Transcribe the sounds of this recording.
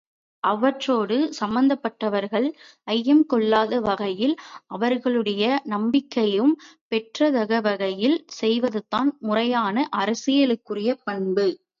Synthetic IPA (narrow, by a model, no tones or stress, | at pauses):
ʔɐʋɐʈroːɽɯsɐmbɐnd̪ɐpːɐʈːɐʋɐɾɣɐɭʔɐjːɛmkɔɭːaːðɐʋɐɣɐjɪlʔɐʋɐɾɣɐɭɯɽɐjɐnɐmbɪkːɐjɯmpɛʈrɐt̪ɐɣɐʋɐɣɐjɪlsɛjʋɐðɯt̪ːaːnmʊrɐjaːnɐʔɐɾɐsɪjɐɭɯkːɯrɪjɐpɐɳbɯ